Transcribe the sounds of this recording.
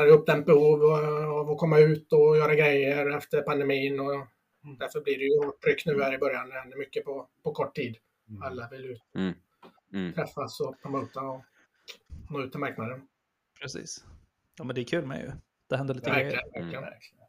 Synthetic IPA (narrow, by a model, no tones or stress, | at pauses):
ɾjɵp̚ːd̪ɛnt̪̚bɛhuːvavɔkʰɔmːaʉ̟ːt̪ɔjœːɾaɡɾɛjːəɾɛft̪əɾpand̪ɛmiːnɔ | d̪æɾfœɾblɪɖɛjɵoːʈʰːɾʏkːnʉ̟ːhæːɾɪbœɾjand̪ɛhɛnd̪əɾmʏkːəpʰɔpʰɔkʰɔʈʰːiːd̪ | alːavɪljʉ̟ːt̪ɔ | t̪ʰɾɛfːasɔpʰɾʊmoʉːt̪aɔ | noːʉ̟t̪ːɛnmaɾknad̪ən | pʰɾɛsḭːs | jɑːmɛnd̪ɛækʰʉːlmɛ̰jɵ̰ | d̪̥ɛhɛnd̪əɾɭiːvæɾlɪənvæɾklɪɡən